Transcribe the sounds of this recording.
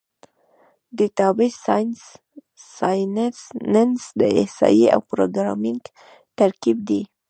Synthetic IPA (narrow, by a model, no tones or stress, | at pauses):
d̪it̪ɑbesɑjns | sɑjnesnənsd̪əehsɑ̰jia̰wpɾoɡɾɑ̰miŋɡ | t̪aɾkib̚d̪i